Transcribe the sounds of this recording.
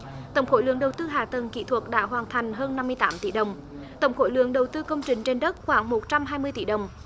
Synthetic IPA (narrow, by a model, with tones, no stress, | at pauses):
t̪ə˧˩wŋ͡mxo̰˧˥˦lɨ̰˧˦əŋɗə˨˩wt̪ɨ˧ɦaː˨˩t̪ə˨˩nkḭ˧˨t̪ʰwə˨˩t̚ɗa̰ː˧˥ɦwaː˨˩nt̪ʰa˨˩jŋ̟ɦəː˧nːa˧mːɨ˧əjt̪aː˨˦mt̪ḭ˧˩ɗə˨˩wŋ͡m | t̪ə˧˩wŋ͡mxo̰˧˥˦jlɨ̰˧˨əŋɗə˨˩wt̪ɨ˧kə˧wŋ͡mt͡ɕï˨˩ŋ̟t͡ɕe˧nɗə˦˥t̚xwaː˧˦ŋmo˨˩t̚t͡ɕa˧mɦaː˧jmɨ˧əjt̪i˧˩ɗə˨˩wŋ͡m